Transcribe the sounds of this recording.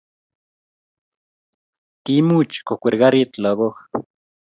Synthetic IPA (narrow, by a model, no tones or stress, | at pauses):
k̪imut͡ʃkokʷiɾɣaɾit̪loɣox